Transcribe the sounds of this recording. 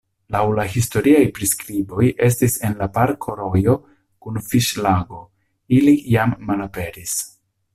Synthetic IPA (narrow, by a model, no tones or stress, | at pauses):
lawlahisto̞ɾiajpɾiskɾibo̞je̞s̬tise̞nlapaɾkʰoɾo̞jo̞ | kunfiʃlaɡo̞ | ilijamːalape̞ɾis